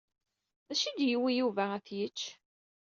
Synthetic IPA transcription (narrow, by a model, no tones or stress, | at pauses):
ðæʃid̪jiwijuvææθjət͡ʃː